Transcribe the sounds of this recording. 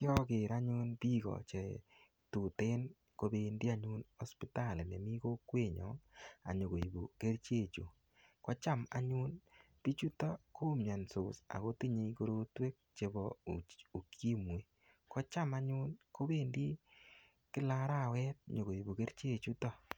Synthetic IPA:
kjɔ˦kɪ˨ɾa˦ɲu˦npi˦kɔ̰˨t͡ʃe˨ | tu˨te˦n | ko˨˦be˧ndi˦a˦ɲu˦nɔ˦spi˦ta˦˨lne˨mi˦ko˦kwe˦ɲɔ̰˨˦ŋa̰˨ɲo˨ko˨i˨bu˨ke˦ɾt͡ʃe˦˨t͡ʃo˨ | kɔ˦t͡ʃa˦ma̰˨ɲu˦n | pi˦t͡ʃu˦tɔ˦ko˦mɲa˨nso˨sa̰˨ɣo˦ti˦ɲe˧ko˦ɾo˦twe˦k̚t͡ʃe˨bɔ˨u˨kʰi˦mwe˨ | kɔ˦t͡ʃa˦ma˦ɲu˦nko˦be˦ndi˦ | kɪ˦la˦ɾa˦˨wɛ˦t̚ɲo˨ɣo˨i˨bu˨ke˦ɾt͡ʃe˦˨t͡ʃu˦tɔ˦

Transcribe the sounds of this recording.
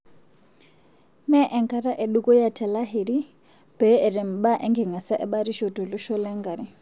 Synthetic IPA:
mɛ˦ʔɛ˨ŋka˨ɾa˦ʔɛ˨ɗu˦kɔ˦ja˦tʰɛ˨la˦ɦi˨ɾi˦ | b̥ɛ˨˦ɛ˨ɾɛ˨m̩˨ɓa˦ʔɛ˦ŋɡɛ˨ŋa˨sa˦ʔɛ˦ɓa˦ɾi˦ʃɔ˨tɔ˨lu˦ʃɔ˦lɛ˦ŋɡa˨ɾi˦

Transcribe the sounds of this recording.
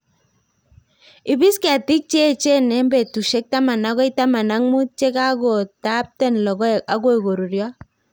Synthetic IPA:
ɪ˨bi˦ska˨ti˦k̚t͡ʃe˦˨t͡ʃe˦nɛ˦mbɛ˨tu˨ʃe˦k̚ta˦ma˨na˦ɣɔ˦i˦ta˦ma˨na˦ŋmu˦t̚t͡ʃe˦ka˦ɡo˨ta˦p̚tɛ˦nlɔ˨ɡɔ˦˨a˦ɡo˦i˨ɡo˨ɾu˨ɾjɔ˦

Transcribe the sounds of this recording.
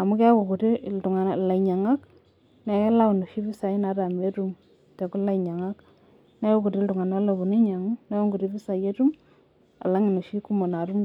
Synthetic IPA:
a˨mu˦ka˦ko˨ku˨ti˦ltu˨ŋa˨na˨la˨i˨ɲa˨ŋa˦k | nɛ˨ke˦la˦u˨no˨ʃi˦fi˦sa˨i˦na˨˦ɾa˨me˦ɾu˦m | tɛ˨ku˦la˦i˨ɲa˨ŋa˦k | nɛ˦ko˦ku˨ti˦ltu˨ŋa˨na˦lo˨βu˨ni˦ɲa˨ŋu˦nɛ˦o˦ŋɡu˨ti˦fi˦sa˨je˦tu˦m | a̰˨la˦ŋi˨no˨ʃi˦ku˦mo˨na˨ɾu˦m

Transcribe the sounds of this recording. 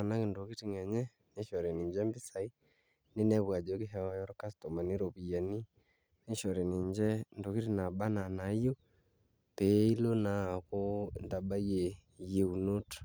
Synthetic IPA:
a˨na˦ke˨ndo˨ki˦ti˨ŋɛ˨ɲɛ˦ | ne˦ʃɔ˨ɾɛ˨ni˨ɲd͡ʒɛ˦mbi˦sa˨i˦ | ne˦nɛ˦βwa˨d͡ʒo˨˦ke˦ɦɛ˨˦a˨˦jɔ˦ɾo˦ka˦sto˨ma˨ne˦ɾo˨βi˨ja˨ni˦ | ne˦ʃɔ˨ɾɛ˨ni˨ɲd͡ʒɛ˦ndo˨ki˦ɾi˦na˨ba˦na˨na˨˦jo˦ | pe˨˦i˦lo˦na˨ko˦nda˨ba˦je˨ | je˨u˨no˦tḁ˨

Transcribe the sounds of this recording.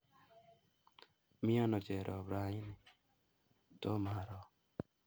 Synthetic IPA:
mi˦a˦nɔ˨d͡ʒe˨ɾʔɔ˨bɾa˨˧i˦ni˨ | t̪o˦ma˨ɾɔ˨

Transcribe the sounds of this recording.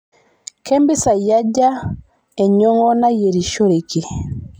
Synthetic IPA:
kɛ˦mbi˦sa˨ja˦ɟa˦ | ɛ˨ɲɔ˦ŋɡɔ˦na˦je˨ɾi˨ʃɔ˦ɾe˨ki˨

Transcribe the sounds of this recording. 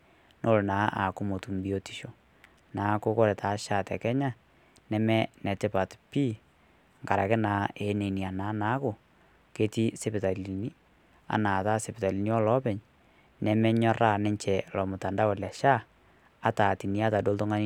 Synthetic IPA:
nʔo˦˨lnaː˨˦ʔa̰˨kʊ˦mo˨tu˨mbi˦o˦ti̥˨ʃo˨ | naː˨˦ko˦ko˦ɾɛ˨tʰa˨˦ʃa˦˨tɛ˨kɛ˦ɲa˦ | nɛ˨mɛ˦nɛ˨tɛ˦pa˨tpi˦ | ŋka˨ɾa˨kɛ˦na˨˦e˨˦ne˨ni˨a˨naː˨˦na˦kʊ˨ | ke˦ti˦se˦pɪ˨ta˨li˨ni˦ | a̰˨naː˨ta˦se˨pɪ˨ta˨li˨ni˦ɔ˦lɔ˦pɛ˨ɲ | nɛ˨˦mɛ˦ɲɔ˦ra˦˨nɛ˦ɲt͡ʃɛ˨lɔ˨mʊ˨ta˨nda˦wɔ˨lɛ˨ʃaː˦˨ | ta˨ti˨ni˦a˦ta˨do˦ltɔ˦ŋa˦ni˦

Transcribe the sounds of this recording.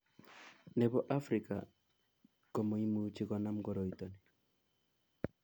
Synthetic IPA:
nɛ˨bɔ˦ʔa˦fɾɪ˨ka̰˨ | kɔ˨mo˨i˦mu˦t͡ʃɪ˦kɔ˨na˦mɡɔ˦ɾo˨i˨t̪o˨ni˨

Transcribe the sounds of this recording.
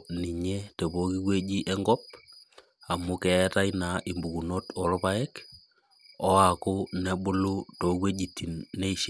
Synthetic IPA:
ni˨ɲe˦te˨bo˦ki˦kwe˦d͡ʒi˦ʔɛ˦ŋɡɔ˦p̚ | a˨mʊ˦kɛ˨ɛ˦ta˦ɪna˨ʔi˨mbu˨ku˨no˦tɔ˨ɾʊ˦pa˦ɛ˦k | ɔ˦a˨kʊ˦ne˨bʊ˦lu˦to˨kwe˦d͡ʒi˨tʰːi˨nːe˦˨ʃ

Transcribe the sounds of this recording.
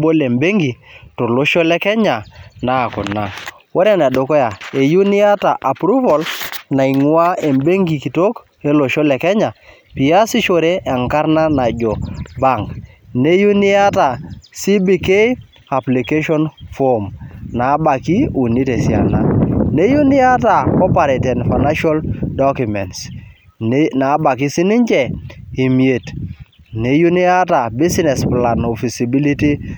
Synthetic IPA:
bo˦le˨mbe˦ŋɡi˨to˨lo˦ʃɔ˦lɛ˦kɛ˦ɲa˨na˨˦˨kʊ˨na˨ | wo˦ɾɛ˦nɛ˨do˨kɔ˦ja˨e˨ju˦ni˦a˦ta˨ʔa˨pɾu˦vo˨lna˨i˨ŋwa˦e˨mbe˦ŋɡi˨ki˨to˦k | e˦lo˨ʃɔ˦lɛ˨kɛ˦ɲa˨ | pi˨a˦si˦ʃo˨ɾe˦ʔɛ˨ŋka˦ɾna˦na˨d͡ʒɔ˨ba˦˨ŋkne˦ju˦ni˦a˦ta˨si˦bi˨ke˦ | a˨pli˨ke˦ʃɔ˦nfo˦mna˨˦ba˨ki˦u˨ni˦te˨si˨a̰˨na̰˨ne˦ju˦ni˦a˦ta˨kɔ˦pa˨ɾe˨tɛ˨nfa˨na˦ʃa˦ldɔ˦ku˨mɛ˨nts | na˨˦ba˨ki˦si˦ni˦ɲd͡ʒɛ˨i˨mi˨e˨t | ne˦ju˦ni˦a˦ta˨bi˦si˦nɛ˨spla˨no˨fi˨si˨bi˦li˦ti˦

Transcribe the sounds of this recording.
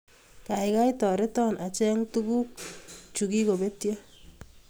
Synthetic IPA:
ka˨ɪka˦jtɔ˨ɾe˦tɔ˦nʔa˨t͡ʃɛ˦ŋtu˦ku˦k̚t͡ʃu˨ki˦ko˨be˦tjɔ˦

